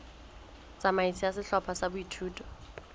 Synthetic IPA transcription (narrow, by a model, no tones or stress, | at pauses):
t͡sʼamait͡sʰiasɪɬɔpʰasabʊitʰuːtʼɔ̥